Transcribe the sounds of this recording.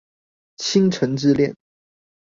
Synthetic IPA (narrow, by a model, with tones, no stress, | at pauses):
t͡ɕʰi˥ŋʈ͡ʂʰə˧˥ŋʈ͡ʂɻ̩˥ljɛ˥˩n